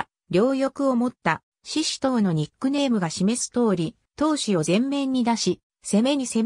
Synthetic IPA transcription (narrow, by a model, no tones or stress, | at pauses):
ɾʲo̞ːjo̞kɯ̟o̞mo̞t̪ːa | ɕiɕi̥t̪o̞ːno̞ɲ̟ikːɯ̟ne̞ːmɯ̟ɡaɕime̞sɨ̥t̪o̞ːɾʲi | t̪o̞ːɕio̞zẽ̞mːẽ̞ɲ̟ːid̪aɕi | se̞meise